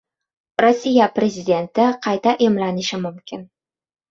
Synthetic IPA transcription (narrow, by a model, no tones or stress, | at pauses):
ɾosʲːijapɾʲezʲid̪ʲe̞nt̪ɪqʰɑjt̪aʔemlanɪʃɪmʊmkʲɪn